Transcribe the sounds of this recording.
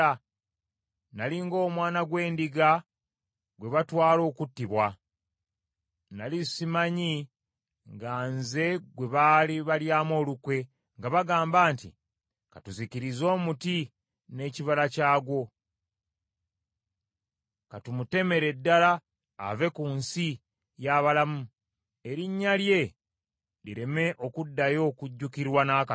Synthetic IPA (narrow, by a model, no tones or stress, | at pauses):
a | naliŋɡo̞ːmwaːnaɡwe̞ːndiɡa | ɡwe̞βatwaːlo̞ːkutːiβwa | nalisimaɲi | ŋɡanze̞ɡwe̞βaliβaljaːmo̞ːlukwe̞ | ŋɡaβaɡaːmbaːntḭ | katuzikiɾizo̞ːmuti | ne̞ciβalacaːɡwo̞ | katumute̞me̞ɾe̞dːala̰ː | ve̞kuːnsi | jaβalamu | e̞ɾiɲːalje̞ | lḭɾe̞me̞ʔo̞kudːajo̞ːkuɟːukiɾwanaːka